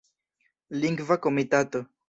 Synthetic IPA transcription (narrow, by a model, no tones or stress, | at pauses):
liŋɡvakomitato̞